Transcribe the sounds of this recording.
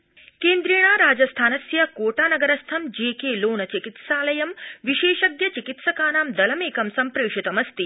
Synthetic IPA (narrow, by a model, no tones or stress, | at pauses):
keːnd̪ɾeːɳaːɾaːd͡ʒɐst̪ʰaːnɐsjɐkoːʈaːnɐɡɐɾɐst̪ʰɐmd͡ʒeːkeːloːnɐt͡ʃikit̪saːlɐjɐmʋiʃeːʃɐɡ̪jɐt͡ʃikit̪sɐkaːnaːmd̪ɐlɐmeːkɐmsɐmpɾeːʃut̪ɐmɐst̪i